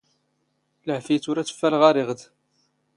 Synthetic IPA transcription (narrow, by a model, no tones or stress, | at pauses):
ləʕfijt͡sːʊɾæt͡sːə̥fːælʁɑɾɪʁd̪